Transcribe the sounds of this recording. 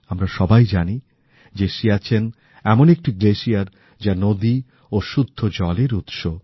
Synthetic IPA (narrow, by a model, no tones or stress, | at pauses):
amɾaʃɔbajd͡ʑani | d͡ʑeʃiat͡ɕʰen | ɛmonek̚ʈiɡleʃiaɾ | d͡ʑanod̪i | oʃud̪ʱːod͡ʑɔleɾut̪ʃo